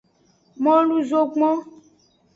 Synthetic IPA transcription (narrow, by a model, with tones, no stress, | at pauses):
mɔ̃˦lu˦zo˦ɡ͡bɔ̃˦